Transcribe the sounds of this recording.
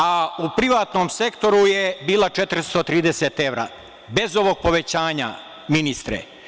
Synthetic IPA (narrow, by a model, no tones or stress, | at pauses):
aupɾiʋaːt̪noːmse̞kt̪o̞ɾuje̞biːlˠat͡ʃet̪ɾst̪ot̪ɾiːd̪eset̪e̞ʋɾa̰ | be̞zo̞ʋo̞ɡ̚po̞ʋe̞t͡ɕaːɲa̰ | minist̪ɾḛ